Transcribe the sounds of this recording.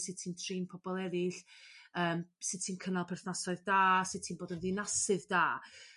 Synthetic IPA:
sɨd̥̚tʰiːntʰriːnpʰɔbɔlˠɛðɪɬəːmsɨd̥̚tʰiːnkʰənalˠpʰɛrθnasɔɨðdaːsɨð̚tʰiːnboːdənðɪnasɨðdaː

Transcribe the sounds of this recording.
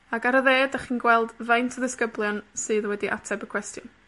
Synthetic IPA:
aɡaɾəðeːdaχiːnɡwɛlˠdvajntʰəðɪskəblˠjɔnsɨːðwɛdiʔa̰tʰɛbəkʰw̥ɛstjʊn

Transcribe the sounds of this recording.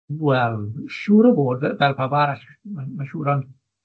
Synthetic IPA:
wɛlˠʃuːɾɔboːdvɛlˠpʰabaɾaɬmamaʃuːɾɔn

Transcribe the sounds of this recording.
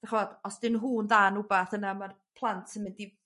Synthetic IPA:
daχvɔd̥ɔsd̥ɪnɦuːnðanubaθənamar | pʰlˠantʰəmɪndi

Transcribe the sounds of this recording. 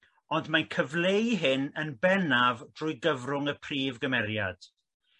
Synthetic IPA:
ɔndmankʰəvlejɦɪnənbɛnavd̥rʊjɡəvrʊŋəpʰriːvɡəmɛɾja̰d̥

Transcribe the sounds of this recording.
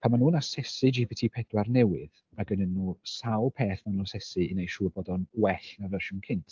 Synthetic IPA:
pʰamanuːnasɛsɨd͡ʒibitʰiːpʰɛdwarnɛwɨð | aɡənənːuːsawlˠpʰeːθmanuːnasɛsɨɪnejʃuːbɔdɔnwɛɬnavəʃʊnkʰɪntʰ

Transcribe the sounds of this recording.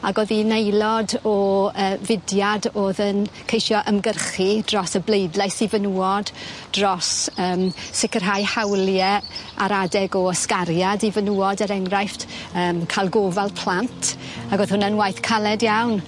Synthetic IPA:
aɡoðinejlˠɔdɔəːvɪdjadoːðənkʰejʃjɔʔəmɡərχid̥rɔsəblejdlˠajsivənuɔdd̥rɔsəːmsɪkərɦajhawljɛa̰ɾadɛɡɔəskaɾjadivənuɔdəɾɛŋrajftəːmkʰalˠɡovalˠpʰl̥ˠantʰ | aɡoːð̥hʊnənwajθkʰalˠɛdjawn

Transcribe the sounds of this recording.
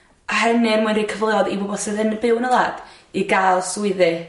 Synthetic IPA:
ahɛnɪnmuɨndikʰəvlˠɛɔdibobɔsɨðɨnəbɪwnəlˠaːd̥ | iɡalˠswɪðɨ

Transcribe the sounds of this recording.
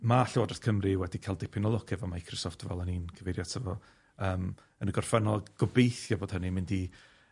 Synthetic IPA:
maɬɪwadrɛθkʰəmriwɛdikʰalˠdɛpʰɪnɔlˠɔɡʰɛvamaajkʰrɪsɔftʰəvɛlˠəninkʰəvejɾjatʰəvɔ | əːm | ənəɡɔrfɛnɔlˠɡ̥ɔbejθjɔboːd̥ənimɪ̃ndi

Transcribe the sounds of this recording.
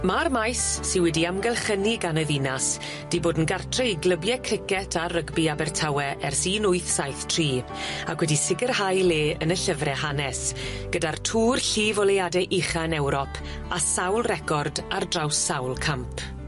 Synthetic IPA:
marmajsːɪwɛdiamɡɛlˠχəniɡanəvinas | d̥iboːdn̩ɡartʰrɛjɡləbjɛkʰrɪkɛtʰarəɡbiabɛrtʰawɛʔɛrsiːnʊɨθsajθtʰriː | akʰwɛdisɪɡərhajleːənəɬəvrɛɦanɛsɡ̥ədartʰuːrɬiːvɔlɛjadɛʔɪχanɛwɾɔpʰ | asawlˠrɛkʰɔrdardrawsːawlˠkʰampʰ

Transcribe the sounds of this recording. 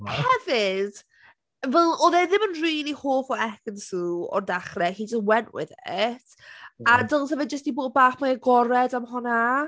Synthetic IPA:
hɛvɪd̥ | vɛlˠoðɛðɪmənriːlˠihoːfɔɛkənsuːɔ̰rdaχrɛhid͡ʒəswɛnʔwɪ̰ðɪtʰ | adəlˠtəvɨd͡ʒəstiboːd̚baːχmaɛɡɔɾɛdamɦɔna

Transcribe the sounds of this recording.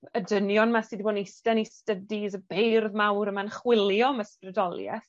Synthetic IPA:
ədənjɔnmasiːdiboːdnistɛnistədiðəbejrðmawɾəmanχwɪlˠjɔmasprɛdɔlˠjɛ̰θ

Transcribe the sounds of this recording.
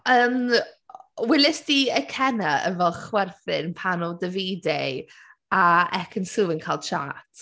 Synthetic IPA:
əːm | wɪlɪsd̥iəkʰɛnaə̰vɛlˠχwɛrθɪnpʰanɔdəviːde | aɛkʰənsuvənkʰaːlˠd̥ʃa̰ːtʰ

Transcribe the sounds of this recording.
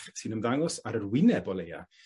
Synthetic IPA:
sɨnəmðaŋɔsaɾərwɪnɛbɔlˠeja̰

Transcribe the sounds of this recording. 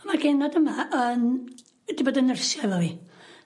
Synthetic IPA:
ɔmarɡenɔdəmaʔəːn | d̥iboːdənərsjavɔvi

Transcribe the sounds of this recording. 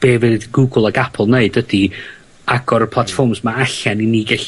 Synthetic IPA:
b̥eːvɨðɡuːɡlˠaɡapʰlˠneɨdədi | aɡɔɾəpʰlˠatfɔrmsmaaɬɛniniːɡɛɬ

